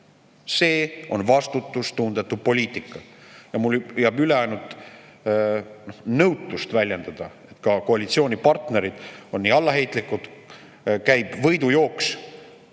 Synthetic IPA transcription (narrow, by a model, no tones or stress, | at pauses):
se̞ːo̞nvɑst̪ut̪ːˑust̪uːnd̪et̪ːˑud̪̥̚po̞lʲiːt̪ˑikːˑɑjɑmuljɑːbyle̞ɑjnult̪ˑ | nohnɤwt̪ːˑust̪vælʲje̞nd̪̥ɑd̪̥ɑ | e̞t̪kɑko̞ɑlʲit̪sio̞ːnʲipɑrt̪ne̞ɾid̪̥onːiːɑlːɑɦe̞jt̪ˑlikːud̪ | kæjbvɤjd̪ujo̞ːks